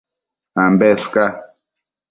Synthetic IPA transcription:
ambɛska

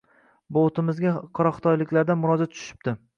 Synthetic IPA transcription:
bot̪ɪmɪzɡʲaqʰɒɾɒχt̪ʰɒjlɪkʲlaɾd̪anmʊɾɒd͡ʒat̪t̪ʰʊ̥ʃɪ̥p̚t̪ɪ

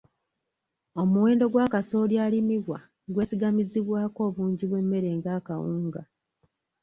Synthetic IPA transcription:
o̞muwe̞ːndo̞ɡwaːkaso̞ːljaːlimiβwa̰ | ɡwe̞ːsiɡamiziβwaːko̞ːβuːɲɟiβwe̞mːe̞ɾe̞ːŋɡaːkawuːŋɡa̰

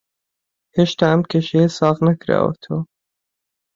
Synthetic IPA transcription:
heʃt̪amkeʃesɑːɣnakɾa̰o̰t̪ʰo

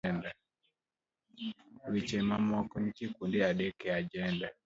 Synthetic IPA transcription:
ɛnda | wit͡ʃɛmamɔkɔɲkikundɛaɗɛkɛad͡ʒɛnda

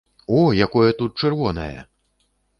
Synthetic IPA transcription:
ɔjakɔjɛt̪ut̪̚t͡ʂɛrvɔnɐ̰jɐ̰

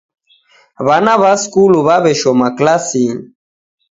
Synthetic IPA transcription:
βanaβaskuluβaβɛʃɔmaklasiŋ

